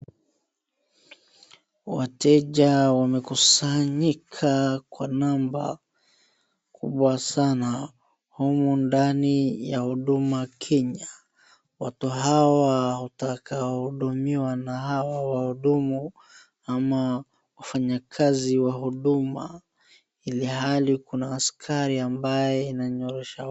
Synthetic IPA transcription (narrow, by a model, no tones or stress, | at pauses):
watɛʄawamɛkusaɲikʰakwanamba̰ | kʰṵɓwasana | humundanijahuɗumakʰɛɲa | watuɦawahutakaɔhuɗumiwanahawawahuɗumu | ama | wafaɲakʰaziwaɦuɗuma | ilihalikunaːskʰaɾiambajɛinaɲɔɾɛʃa